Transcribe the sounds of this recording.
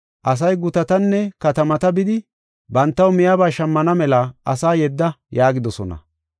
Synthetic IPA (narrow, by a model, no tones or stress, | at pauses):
ʔɐs̬ɐjɡʊt̪ɐt̪ɐnːɛkɐt̪ɐmɐt̪ɐbɪd̪ɪ | bɐnt̪ːɐwmɪjabaːʃɐmːɐnɐmɛlɐʔɐsaːjɛd̪ːɐjaːɡɪd̪ɔsɔnɐ̰